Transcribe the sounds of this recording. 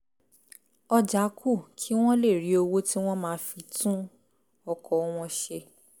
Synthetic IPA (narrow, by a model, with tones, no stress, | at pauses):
ɔ˧d͡ʒa˨˦kʰu˦˨kʰi˦w̃ɔ̃˦le˦˨ɾi˨˦o˧wo˦ti˦w̃ɔ̃˦mãː˦fi˧tũ˦ | ɔ˧kʰɔ˨˦w̃ɔ̃˧ʃe˧